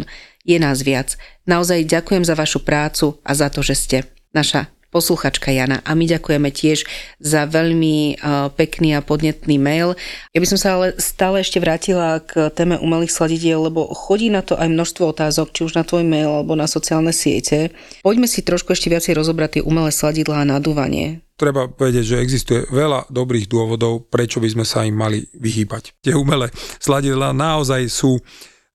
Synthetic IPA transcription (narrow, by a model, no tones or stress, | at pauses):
n | jɛnaːzʋɪad͡znaɔzajɟakujɛmzaʋaʃupɾaːt͡suʔa̰zat̪ɔʒɛscɛ | naʃa | pɔsluxaːt͡ʃkajana̰ʔamiɟakujɛmɛcɪɛʒzaʋɛʎmipɛkniːapɔd̪ɲɛt̪niːmɛjljabisɔmsaalɛst̪aːlɛɛʃcɛʋɾaːcilakt̪ɛːmɛʔṵmɛliːxslaɟiɟɪɛlːɛbɔxɔɟiːnat̪ɔʔajmnɔʃst̪ʋɔɔt̪aːzɔkt͡ʃiuʒnat̪ʋɔjmɛjlalɛbɔnasɔt͡siaːlnɛsɪɛ̰cɛ | pɔɟmɛsit̪ɾɔʃkuɛʃcɛʋɪat͡sɛjɾɔzɔbɾat̪ɪɛʔumɛlɛːslaɟid̪laːnad̪uːʋa̰ɲɪɛ̰t̪ɾɛbapɔʋɛɟɪɛɟʒɛɛɡzist̪ujɛ̰ʋɛla̰d̪ɔbɾiːɣd̪ʊɔʋɔd̪ɔʊpɾɛt͡ʃɔbizmɛsaimːalḭʋiɦiːbact̪ɪɛumɛlɛslaɟid̪laːnaɔzajsuː